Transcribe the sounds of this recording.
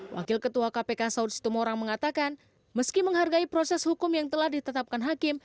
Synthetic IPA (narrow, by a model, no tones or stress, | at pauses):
wʔa̰kɪlkət̪uakapekasaʊtsi̥t̪umoɾaŋməŋat̪akan | məskiməŋɦarɡaipɾosɛshukʊmjaŋt̪əlahdit̪ət̪ap̚kanɦakɪm